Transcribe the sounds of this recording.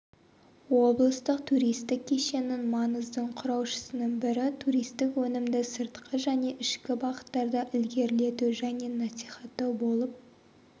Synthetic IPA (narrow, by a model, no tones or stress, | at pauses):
wo̞blˠəst̪əqt̪ʰuɾijst̪ɪkʲʰːeʃe̞nɪnmɑnəzd̪əɴqʰʊɾɑwʃə̥sənəɴbɪɾɪt̪ʰuɾijst̪ɪkwɵnɪmd̪ɪsəɾt̪qəʒæne̞ʔɪʃkʲɪbɑqə̥t̪ːɑɾd̪ɑʔɪlɡʲe̞ɾle̞t̪uʒæne̞nɑsiχɑt̪ːɑwbo̞lˠəp̚